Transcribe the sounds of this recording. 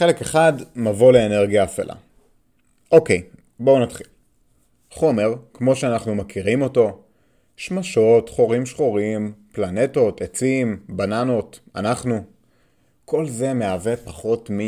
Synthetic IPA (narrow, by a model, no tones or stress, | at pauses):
χe̞le̞ke̞χadmavoleːneʁɡijaːfḛlʔa̰ | ʔokej | bo̞unatχil | χo̞me̞ʁkmo̞ʃeanaχnumakiʁimo̞to̞ | ʃmaʃo̞tχo̞ʁimʃχoʁimplane̞to̞tʰet͡simbanano̞ta̰naχnu | kʰo̞lze̞me̞avepaχo̞tmi